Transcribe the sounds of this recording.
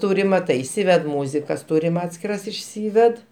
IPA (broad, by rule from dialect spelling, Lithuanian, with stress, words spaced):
ˈtuːrʲɪm mɐˈtɐɪ ɪˈsʲiːʋʲɛt ˈmuːzʲɪkɐs ˈtuːrʲɪm ˈɑːtʲsʲkʲɪrɐs ɪʃʲˈsʲiːʋʲɛt